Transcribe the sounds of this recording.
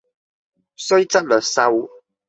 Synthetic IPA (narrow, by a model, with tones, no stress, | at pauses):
sɔ˦jt͡sa˦lə˨sa˦wu˦